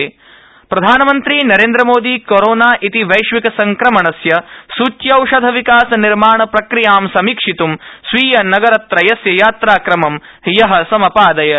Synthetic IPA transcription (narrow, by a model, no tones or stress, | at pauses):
pɾɐd̪ʱaːnɐmɐnt̪ɾiːnɐɾeːnd̪ɾɐmoːd̪iːkoɾoːnaːʔit̪iʋɐjʃʋikɐsɐŋkɾɐmɐɳɐsjɐsuːt͡ʃjɐɐwʂɐd̪ʱɐʋikaːsɐniɾmaːɳɐpɾɐkɾijaːmsɐmiːkʂit̪umsʋiːjɐnɐɡɐɾɐt̪ɾɐjɐsjɐjaːt̪ɾaːkɾɐmɐm | ɦijɐɦɐ̆sɐmɐpaːd̪ɐjɐ